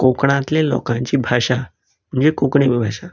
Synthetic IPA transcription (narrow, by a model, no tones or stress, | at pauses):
kokɽ̃ãt̪lẽlɔ̰kãɲt͡ɕiːbʱaɕa | m̤əɳd͡zekokɽemibʱaɕa